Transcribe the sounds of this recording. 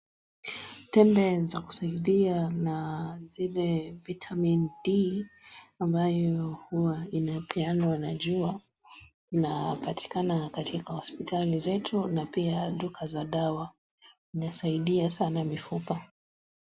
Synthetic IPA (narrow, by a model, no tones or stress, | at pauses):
tɛmbɛzaku̥saiɗianazilɛvitʰamindi | ambajɔhuwainapʰɛanwanaʄua | inapati̥kanakatʰikahɔspitalizɛtʰunapiaɗukʰazaɗawa | inasaiɗiasanamifupa